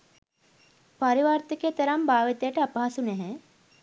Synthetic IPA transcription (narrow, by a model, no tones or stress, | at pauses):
paɾiʋaːɾt̪iket̪ɐɾambaːʋit̪ejəʈəapɐɦɐsunɛɦɛ̃